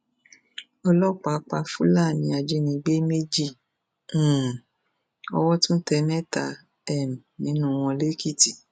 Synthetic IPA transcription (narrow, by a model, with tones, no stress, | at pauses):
ɔ˧lɔ˦˨k͡pa˧˨˧k͡pa˧fu˦la˦˨nĩ˧˦a˧d͡ʒe˦nĩ˧ɡ͡be˦me˦d͡ʒĩ˦˨˦ | ɔ̰˧wɔ˦tũ˦tɛ˧nɛ˦ta˧˨ | ɛ˦˨m˨nĩ˨˦nũ˦˨˧w̃ɔ̃˧le˦ki˦˨ti˨